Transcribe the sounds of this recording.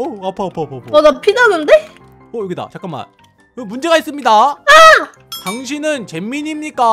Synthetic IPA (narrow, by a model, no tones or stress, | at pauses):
oapʰaːpʰapʰːpʰʌdapʰidanɯnde̞ | ojoɡeda̰t͡ɕak͈ama̰n | kɯmund͡ʑe̞ɡais͈ɯmɲidaa | taŋɕ̬ʰinɯnt͡ɕe̞mːiɲimɲik͈a